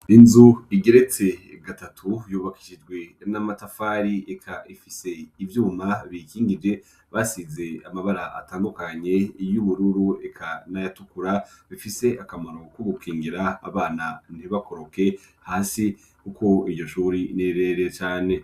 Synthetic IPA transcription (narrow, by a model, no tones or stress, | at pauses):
inzuiɡe̞ɾe̞t͡se̞ | ɡatatʰujuːβaki̥ʃid͡ʒɡwe̞namatafaːɾie̞kʰaʔifise̞ivjuːmaβikiːŋɡid͡ʒe̞ | βasize̞amaβaɾaa̰taːndukaɲe̞ijuβuɾuɾue̞kʰanajatukuɾaβifise̞akamaɾo̞kuɡukʰiːŋɡiɾaa̰βaːnan̥iβako̞ɾo̞ke̞ | haːsi | kukʰo̞iɟo̞ʃuːɾineɾe̞ɾet͡ʃaːne̞